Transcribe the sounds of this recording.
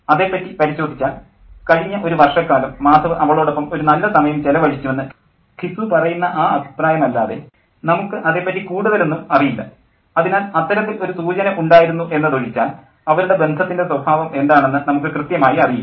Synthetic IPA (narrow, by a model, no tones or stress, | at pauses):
ɐðe̞pːɐtːipɐɾiɕo̞ːd̪ʱit͡ɕːaːl | kɐɻiɲːɐʔo̞ɾuʋɐrʂɐkːaːlɐmːaːd̪ʱɐʋɨʔɐʋɐɭoːɽo̞pːɐmo̞ɾunɐlːɐsɐmɐjɐmt͡ɕelɐʋɐɻit͡ɕːuʋenːɨ | kʰisupɐrɐjunːɐʔaːɐbʱi̥praːjɐmɐlːa̰ːðe̞ | nɐmukːɨʔɐðe̞ːpːɐtːikuːɽuðɐle̞nːumɐrijilːɐ̰ | ɐðinaːlɐt̪ːɐɾɐt̪ːilo̞ɾusuːt͡ɕɐnɐʔuɳɖaːjiɾunːuʔe̞nːɐðoɻit͡ɕːaːl | ɐʋɐɾuɽe̞be̞nd̪ʱɐt̪ːindeswɐbʱaːʋɐme̞nd̪aːɳe̞nːɨnɐmuk̬ːɨkrɨt̪jɐmaːjiɐriju